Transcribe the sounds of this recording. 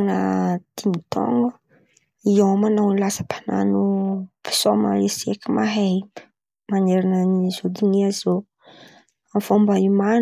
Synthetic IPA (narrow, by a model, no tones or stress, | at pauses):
nə̰d̪̥imit̪ɔ̰ŋɡə | iomanawnilasə̥pana̰nupi̥somə̰lesekimaɦep | maneɾananizod̪iŋiazo | afombaiman